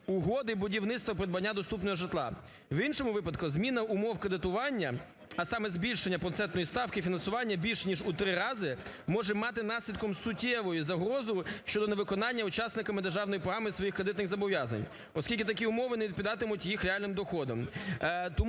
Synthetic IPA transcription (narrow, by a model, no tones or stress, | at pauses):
ʊɦɔd̪ɪbʊdʲiwnɪt̪t̪ʋɐpɾɪd̪̚bɐnʲːad̪ɔst̪upnɔɦɔʒɪt̪lˠɑ̰ | winʃɔmʊʋɪpɐd̪kʊzmʲinɐʊmɔwkɾed̪ɪt̪ʊʋɑnʲːɐ | ɐsɑmɛzbʲilʲʃenʲːɐpɾɔt̪sɛnt̪nɔjist̪ɑwkɪfʲinɐnsʊʋɑnʲːɐbʲilʲʃnʲiʒut̪ɾɪɾɑzɪ | mɔʒɛmɑt̪ɪnɑsʲlʲid̪kɔmsʊtʲɛʋɔjuzɐɦɾɔzʊʃt͡ʃɔd̪ɔneʋɪkɔnɑnʲːɐʊt͡ʃɑsnɪkɐmɪd̪erʒɑwnɔjipɾɔɦamɪsʋɔjixkɾed̪ɪt̪nɪɣzɐbɔʋjazɐ̰nʲ | ɔskʲilʲkʲɪt̪ɐk̬ʲiʊmɔʋɪnɛʋʲid̪pʲid̪ɑt̪ɪmʊtʲjixɾʲeɛɑlʲnɪmd̪ɔxɔd̪ɔ̰mt̪ɔm